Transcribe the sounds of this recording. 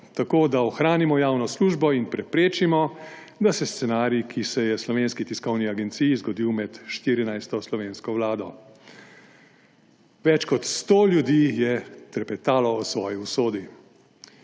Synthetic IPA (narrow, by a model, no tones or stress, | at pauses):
t̪akoːd̪aɔxɾaːnimɔjaːwnɔsluːʒbɔinpɾɛpɾeːt͡ʃimɔ | d̪asɛst̪sɛnaːɾiikʰisɛjɛslɔʋeːnskit̪iskɔwniaɡɛnt̪siːjizɡɔd̪iːwmɛt̪ʃt̪iːɾinajst̪ɔslɔʋeːnskɔʋlaːd̪ɔ | ʋɛt͡ʃkɔt̪st̪oːljud̪iːjɛt̪ɛɾpɛt̪aːlɔːsʋɔːjiusoːd̪i